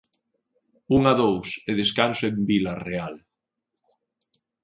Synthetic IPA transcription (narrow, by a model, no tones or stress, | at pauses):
uŋaðowseðeskansoembilareal